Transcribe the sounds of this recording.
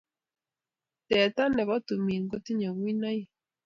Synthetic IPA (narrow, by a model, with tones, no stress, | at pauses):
tɛ˨t̪a˦nɛ˨βɔ˦t̪u˨mi˨ŋ˦ɡɔ˦t̪i˦ɲɔ˨ɣwi˦na˦i˦